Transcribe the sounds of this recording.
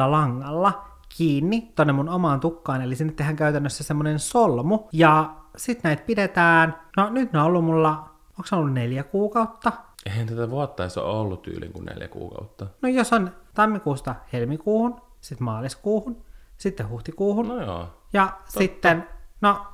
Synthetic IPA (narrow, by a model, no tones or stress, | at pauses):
ɑlɑŋːɑlːɑ | kʰiːnːit̪onːemunomɑːnt̪ukːɑːnelisinːet̪ːehæŋkæyt̪ænːøsːæsemːonensolmujɑsit̪næit̪̚pidet̪æːnnonyt̪neolːumulːɑ | oːksenolːunneljækuːkɑut̪ːɑeihænt̪æt̪æʋuɑt̪ːɑiso̰olːutt̪y̰ːlḭŋkunnḛljæ̰kṵːkɑ̰ut̪ːɑnojosont̪ɑmːikuːst̪ɑhelmikuːhun | sit̪mɑːliskuːhunsit̪ːehuht̪ikuːhunnjo̰ːjɑsit̪ːenno